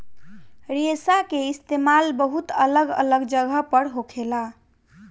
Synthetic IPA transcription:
ɾesakeist̪emalbəɦut̪ələɡə̰ləɡd͡ʒəɡʱəpəɾɦokʰela

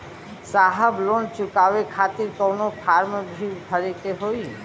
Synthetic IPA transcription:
saɦəblont͡ʃukaʋekʰat̪iɾkɔwnopʰaɾmbʱiwbʱəɾet̪eɦoi

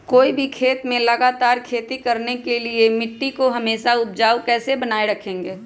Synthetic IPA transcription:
koːibʱikʰeːt̪mẽlɐɡaːt̪aːɾkʰeːt̪ikɐɾnekeliemɪʈːikoɦɐmeːʃaʊp̚d͡ʒaːwkɛːsebɐnaːeɾɐkʰẽːŋɡeː

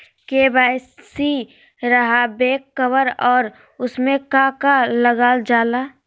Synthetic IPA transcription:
kebaːssi | ɾəɦabeːkːəwəɾɔːɾ | ʊsmẽkakaləɡaːld͡ʒaːla

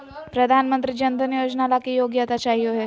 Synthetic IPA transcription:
pɾəd̪ʱanmənt̪ɾiːd͡ʑənd̪ʱənijod͡ʑnalakijoɡjat̪at͡ʃaɦioɦe

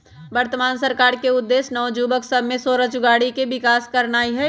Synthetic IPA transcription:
ʋəɾt̪əmaːnsɐɾkaːɾkeʊd̪ːeːsnɔːd͡ʒuːbəksəbʱmẽsoːɾət͡ʃʊɡaːɽikebɪkaːskɐɾnaːiɦɛː

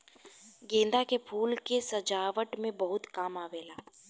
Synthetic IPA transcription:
ɡẽːnd̪akepʰuːlkesɐd͡ʒaːʋəʈmẽbɐɦʊt̪kaːmaːʋeːlaː

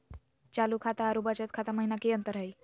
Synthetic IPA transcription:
t͡ʃalukʰat̪aɦaɾubət͡ʃət̪̚kʰat̪aməɦinakeənt̪əɾɦəj

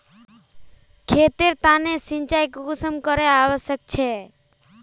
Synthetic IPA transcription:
kʰet̪iɾt̪anesɪ̃ɲt͡ʃajkɡʊsəmkəɾeaʋəʃjək̚t͡ʃʰe

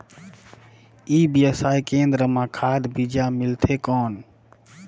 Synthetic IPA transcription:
iːbjəsaːjkẽːnd̪ɾəmãkʰaːd̪bid͡ʒamɪlt̪ʰekɔːn

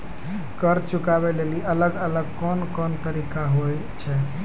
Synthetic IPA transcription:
kəɾt͡ʃukabɛleliələɡələɡ̚kɔnkɔnt̪əɾikaɦoj | t͡ʃʰɛ

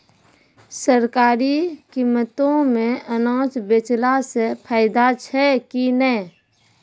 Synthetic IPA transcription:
səɾkaːɾikimːət̪õmẽʔənãːt͡ʃbet͡ʃlasepʰaːɪd̪at͡ʃʰɛkinɛ

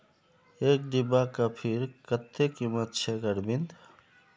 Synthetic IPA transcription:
ek̚ɖ̪ibakapʰiɾkət̪ːekimət̪̚t͡ʃʰeɡəɾbind̪

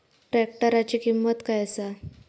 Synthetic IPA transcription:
ʈɾɛk̚ʈəɾat͡ɕiːkimːət̪kajəsa

